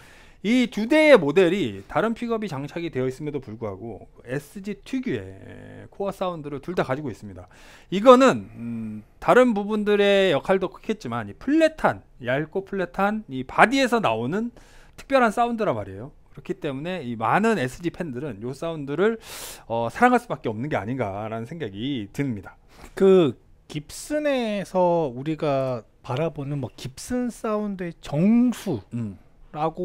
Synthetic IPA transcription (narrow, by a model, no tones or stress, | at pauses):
it͡ɕude̞ːmode̞ɾitaɾɯnpʰiɡʌbit͡ɕaŋt͡ɕʰaɡidwe̞ʌis͈ɯmjʌdopuɭɡuɦa̰ɡo̰kɯe̞s͈ʰɯd͡ʑitʰiɡjue̞̰kʰoʌs͈aundɯɾɯɭtuɭdakad͡ʑiɡois͈ɯmɲida | iɡʌnɯn | taɾɯnpubundɯɾe̞jʌkʰaɭdokʰɯ̥kʰe̞t̚t͡ɕ͈imanipʰuɭːe̞tʰan | jaɭk͈opʰuɭːe̞tʰanipadie̞sʰʌnaonɯn | tʰɯ̥k̚pjʌɾɦans͈aundɯɾamaɾe̞jokɯɾʌkʰit͈e̞mune̞imanɯne̞s͈ʰɯd͡ʑipʰe̞ndɯɾɯnjos͈aundɯɾɯɭʌsʰaɾaŋɦaɭs͈ubak͈eʌmnɯnɡe̞a̰ɲinɡaɾanɯnsʰe̞ŋɡaɡitɯmɲida | kɯ | kip̚s͈ɯne̞sʰʌuɾiɡa | paɾabonɯnmwʌkip̚s͈ɯns͈aundɯe̞t͡ɕʌŋsʰum | ɾaɡo